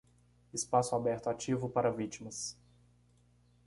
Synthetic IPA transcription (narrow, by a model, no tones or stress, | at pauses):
ɪspasʊabɛɾt̪ʊat͡ʃivʊpaɾɐvit͡ʃimɐs